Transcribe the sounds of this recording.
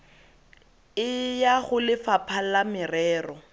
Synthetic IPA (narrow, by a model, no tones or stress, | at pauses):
ɪjaχʊlɪfapʰalamɪrɛːrɔ